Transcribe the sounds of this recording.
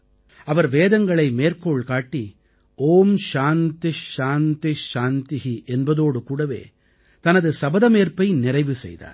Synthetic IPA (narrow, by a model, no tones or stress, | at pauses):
ɐʋɐɾʋeːðɐŋɡɐɭɐɪmeːɾkoːɭkaːʈːi | oːmʃaːnt̪iʃaːnt̪iʃaːnt̪iɦiʔɛnbɐðoːɽɯkuːɽɐʋḛː | t̪ɐnɐðɯsɐbɐðɐmeːɾpɐɪnɪɾɐɪʋɯsɛ̰jða̰ːɾ